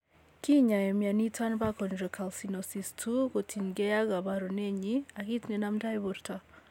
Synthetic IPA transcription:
ki˦ɲa˨jɛ˨mja˨ni˦tʰa˦nba˦kɔ˨nɾɔ˨kʰa˨lsi˨nɔ˨si˨stʰu˦ɣo˨tʰi˨nɡɛ˦ja˦ɣa˨ba˨ɾɔ˨ne˦ɲi˦a˨ki˦tnɛ˨na˦mda˦jβɔ˨ɾta˦

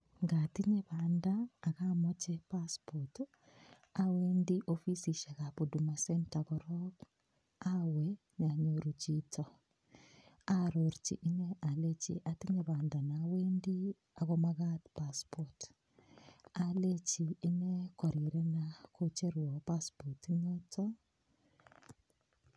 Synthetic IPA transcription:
ŋɡati˦ɲeβaː˨ndaː˨ɣamot͡ʃɛpaspot | aweːndiʔofi˦siʃa˨ɣapodumasɛntaɣɔɾɔk | awɛ | ɲa˨ɲoɾut͡ʃitʰɔ | a˦ɾo˨ɾt͡ʃḭ˨ʔɪ˦nɛ˦a˨le˦t͡ʃḭ˦ʔa˦ti˦ɲe˨βa˨nda˨na˨we˦ndi˦ | a˨ɣɔma˦ɣa˦tpa˦spɔt | a˨le˦t͡ʃiː˨˦ne˦kɔ˨ɾi˨ɾɛ˦nakʰo˦t͡ʃe˦ɾwɔ˨pa˦spɔ˨tiɲe˦tʰɔ˦

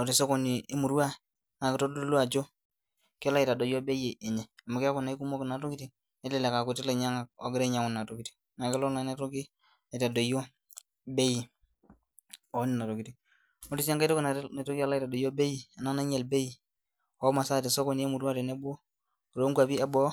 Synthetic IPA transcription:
o˨ti˨so˦kɔ˨ni˨e˦mu˨ɾwa˦˨ | na˨kɪ˦to˦do˦lwa˨d͡ʒo˦ | kɪ˦a˦la˦i˨ta˨do˨jo˦be˦je˨ʔe˨ɲɛ˨a˨ma˨kɪ˦a˦ko˨na˨i˦ku˦mo˦kna˨to˦ki˦ti˨ | e˦tlɛ˦˨le˨ka˨ku˨ti˦le˨ɲa˦ŋa˨o˨ɡɪ˦ɾe˦ɲa˨˦ko˦n˨na˨to˨ki˨ti̥˨ | na˨ke˦lo˦la˨˦ne˦to˦ki˦ | a˨i˨ta˨do˨jo˦ | be˦ji˨ | o˨˦ni˨na˨to˨ki˨ti˦ | mo˦ti˦sa˦ŋka˦to˦kna˨˦ne˨to˦ki˦a˦la˦i˦ta˨do˨jo˦be˦ji˨a˨na˦na˦ɲɛ˨lbe˦ji˨ | o˨˦ma˨sa˦˨te˨so˦ko˦˨ni˦e˦mu˨ɾwa˦te˨ne˦bo˦ | kɾo˨˦ŋɡwa˨bi˦a˦bɔ˦

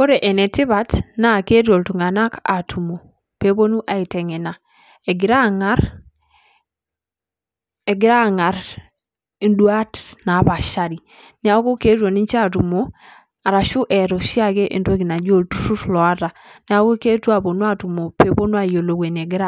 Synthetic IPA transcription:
ko˦ɾe˨ʔɛ˨nɛ˨tɪ˦βa˨tna˦˨ke˦ɾjo˨ltu˨ŋa˨na˦ka̰˨tʰu˨mo˨ | pe˦bo˦nu˦ʔa˨i˨tɛ˨ŋɛ˨na˨ | e˨ɡɪ˨ɾa˦ŋa˦ɾ | e˨ɡɪ˨ɾa˦˨ŋa˨ɾ | i˨ndwa˦tna˨˦ba˨ʃa˦ɾi˨ | nɛ˦a˨˦ko˦ke˦ɾjo˨ni˦ɲt͡ʃa˦˨tu˨mo˦ | a˨ɾa˨ʃu˦ʔɛ˨ɾɔ˨ʃi˦a˦ɡe˦ʔḛ˨nde˦ɡi˨na˨d͡ʒo˦˨ltu˨˦su˦tlɔ˨a˦ta˨nɛ˦a˦ko˦ke˦tu˦a˨bo˨nwa˦tu˨mo˨pe˦po˦nu˦a˦˨jo˨lo˨ɡwe˨ne˨ɡɪ˦ɾa˦

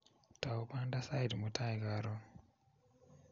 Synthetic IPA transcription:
taupa˦nda˦sa˦idmu˨tʰa˦iɡaɾo˦

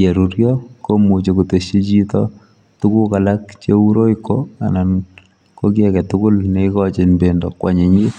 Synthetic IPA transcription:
e˨ɾu˦ɾjɔko˦mu˨t͡ʃe˨ku˨te˨ʃi˦t͡ʃi˦tɔ | tu˦ku˦ka˨lak̚t͡ʃeu˦ɾo˦ikːoa̰˨nan | ko˦kjɛ˨kɛ˨tʊkʊ˦lne˦ikɔt͡ʃe˨nbe˨ndɔ˨kːwa˨ɲe˨ɲi˦

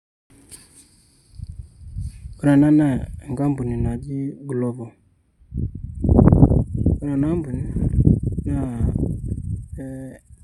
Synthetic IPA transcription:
u˨ɾa˨na˦na˦˨ŋɡa˦mbu˨ni˨na˨d͡ʒi˦ɡu˨lɔ˦bɔ˨ | u˨ɾa˨na˦mbu˨ni˨na˦˨˦

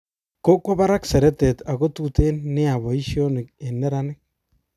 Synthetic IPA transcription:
ko˦kwɔ˦ba˦ɾa˦ksɛ˨ɾɛ˦tɛ˨ta˨ɣo˦tu˦te˦nːɪ˦a˨βɔ˨i˦ʃjo˦nɪ˨k̚e˨nɛ˦ɾa˦nɪ˦k̚

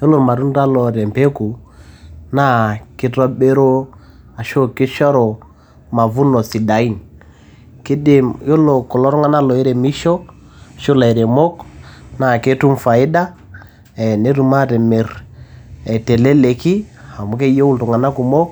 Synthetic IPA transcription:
jo˦lo˨ɾma˨ɾu˦n˦da˦lɔ˨ɾɛ˨m˨pe˦ku˨ | na˦kɪ˦tɔ˦be˦ɾo˦ | a˨ʃo˦kɪ˦ʃɔ˦ɾɔ˨ | ma˨vu˦nɔ˨si˨da˨i˦n | ki˦de˦˨mjo˦lo˨kɔ˨lɔ˦ɾɔ˦ŋa˦na˦lɔ˨i˦ɾɛ˨mi˦ʃɔ˦ | a˨ʃo˦la˨i˨ɾe˨mɔ˦kna˨ke˦tu˦mfa˨i˦da˦ | ɛ˨ne˦ɾu˨ma˦ɾɛ˨me˨ɾ | ɛ˨tɛ˨lɛ˦le˨ki˦a˨mu˨˦ke˦o˦u˦ltɔ˨ŋa˨na˦ku˨mɔ˦k

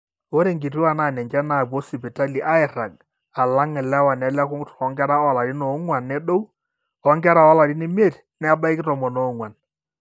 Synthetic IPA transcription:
o˦ɾe˦˨ŋɡi˨ti˦wa˨na˨nɛ˨ɲd͡ʒɛ˦na˨bɔ˦sɪ˨bi˨ta˦li˨ʔa˦ɪ˨ɾa˨ɡ̚ | a˨la˦ŋɛ˨lɛ˦wa˨nɛ˨lɛ˦kʊ˦tɔ˨˦ŋɡɛ˦ɾa˦ɔ˨la˨ɾɪ˦nɔ˨˦ŋwa˨nːɛ˦ɗo˦w | ɔ˦ŋɡɛ˦ɾa˦ɔ˦la˨ɾɪ˦nɪ˨m˦e˦˨tnɛ˦a˦ba˦ɪ˦kɪ˦tɔ˨mɔ˨nɔ˨˦ŋwa˨n

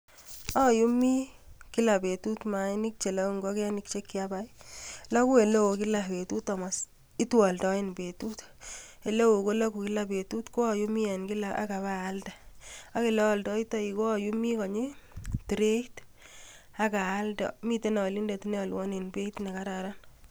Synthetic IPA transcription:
ɔ˦ju˦mi˦ki˦la˨pe˨tu˦tma˨ni˦k̚t͡ʃe˨la˦ŋɡo˦ke˦a˦nik̚t͡ʃe˦kːɪa˦ba˦ila˦ku˦e˨le˦o˨ki˦la˨pe˨tu˦tɔ˨ma˨s | i˦tu˦wɔ˨ldɔ˦e˦nbe˨tu˦te˨le˦wo˨ko˦la˦ku˨ki˦la˨be˨tu˦tko˦a˨ju˦mi˦ɛ˨nki˦laa̰˦ka˨baː˦ldaa˦ke˨le˦wɔ˨ldɔ˦i˦tɔ˦i˨ko˦a˨ju˦mi˦kɔ˨ɲe˦ti˨ɾe˦it | a˦kaː˨˦ldɔ̰˨mi˦te˦na˨li˦nde˨ti˦ne˦a˨lwɔ˦ne˨nbe˦tne˨ka˦ɾa˨ɾa˦n

